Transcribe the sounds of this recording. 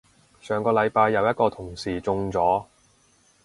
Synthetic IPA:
sœː˨˩ŋkɔː˧lɐ˨˧jpaː˧jːɐ˨˧wjɐ˥t̚kɔː˧t̪ʰʊ˨˩ŋsiː˨˩t͡sʊ˧ŋt͡sɔː˨˥

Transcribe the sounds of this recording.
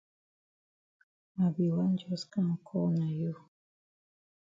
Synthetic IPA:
a˨bi˨wa˦n˦d͡ʒɔ˦ska˦ŋ˨kʰɔ˦na˨ju˦

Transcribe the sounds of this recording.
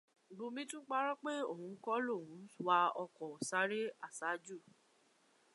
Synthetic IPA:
bo˧mĩ˧˦tũ˦k͡pa˦ɾɔ˦k͡pe˦o̰˦˨hũ˨˧˦kɔ˦lo˦˨wũ˨˦wa˧ɔ˧kɔ˨sa˨˦ɾe˦a˦˨sa˨˦d͡ʒu˦˨

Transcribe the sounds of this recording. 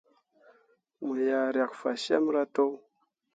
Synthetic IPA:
ma˨ja˨ɾa˨kfa˨ʃa̰˦m˦ɾa˦to˦w

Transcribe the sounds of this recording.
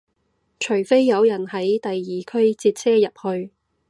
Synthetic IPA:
t͡ʃʰɵ˨˩ɥfe˥jːɐ˨˧wjɐ˨˩nhɐ˨˥jt̪ɐ˨jːiː˨kʰɵ˥ɥt͡siː˧t̚sʰɛː˥jɐ˨p̚hɵ˧ɥ

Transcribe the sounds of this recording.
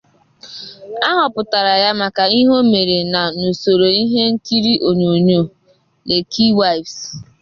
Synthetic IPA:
a˦ɦɔ˨pʊ˨ta˨ɾa˨ja˦ma˨ka˨i˦ɦo˦me˨ɾe˨na˨no˨so˨ɾo˨i˦ɦe˦ŋ̩˦ki˦ɾi˦ʔo˨ɲo˨ɲo˦˨ | le˨ki˦wa˦i˨vs

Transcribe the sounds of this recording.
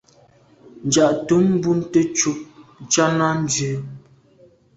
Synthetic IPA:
n̩˨d͡ʒa˨ʔtu˨˦mː˦bu˦n̩˦te˦t͡ʃu˦p̚n̩˨t͡ʃa˦na˦n̩˦dʉ˨˦

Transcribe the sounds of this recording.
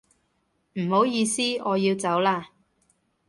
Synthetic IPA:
m̩˨˩ho˨˥wjiː˧siː˥ɔː˨˧jiː˧wt͡sɐ˨˥wlaː˧

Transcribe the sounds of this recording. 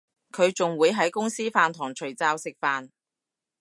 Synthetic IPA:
kʰɵ˨˧ɥt͡sʊ˨ŋwuː˨˧jɦɐ˨˥jkʊ˥ŋsiː˥faː˨nt̪ʰɔː˨˩ŋt͡ʃʰɵ˨˩ɥt͡saː˧wsɪ˨k̚faː˧n

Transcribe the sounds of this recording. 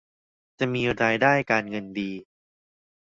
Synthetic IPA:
t͡ɕa˨˩miː˧ɾaː˧jdaː˥˩jkaː˧nŋɤ˧ndiː˧

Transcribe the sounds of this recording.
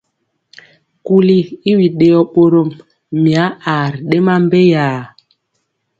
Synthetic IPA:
ku˨li˦i˦wi˨ɗe˨jɔ˨ɓo˨ɾo˨mː | i˨a˨˦a˨ɾɗe˦ma˦m˦be˦jaː˨

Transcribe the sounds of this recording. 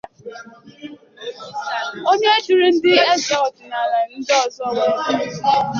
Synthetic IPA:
o˦ɲe˦e˦d͡ʒu˨ɾi˦n̩˦dɪ˦e˦za˦ɔ˨d͡ʒɪ˨na˨la˨n̩˦dɔ˨zɔ˦˨wa˨˦˨

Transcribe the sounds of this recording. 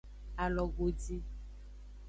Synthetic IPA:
a˨lɔ˨ɡo˨di˦

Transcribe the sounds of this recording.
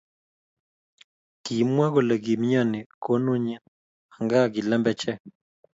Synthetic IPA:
ki˨˦mwa˦ɡo˨la˨ɡi˨mɲa˦˨nɪ˨ko˦nu˦ɲa˦ | ha˨ŋɡa˦ɡɪ˨lɛ˦mbɛ˦t͡ʃɛ˦

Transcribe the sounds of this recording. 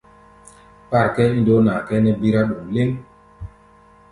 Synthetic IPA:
pa˦˨ɾkɛ˦i˦n˨do˨˦na˨kɛ˦nɛ˦bi˦ɾa˦ɗo˨ŋ˨le˦ŋ

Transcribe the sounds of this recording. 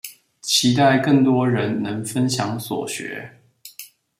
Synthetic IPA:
t͡ɕʰi˧˥t̪a˥˧ɪkɤ˥˩ŋt̪wɔ˥ɻə˧˦nnə˧˥ŋfə˦nɕjɑ˧˥ŋswɔ̰˨˩ɕɥɛ̰˧˥

